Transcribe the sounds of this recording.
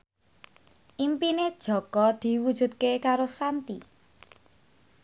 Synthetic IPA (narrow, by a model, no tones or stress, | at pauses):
ʔimpined̥ʒ̥ɔ̤kɔd̪̥i̤wud̥ʒ̥ṳt̪̚kekaɾosant̪ḭ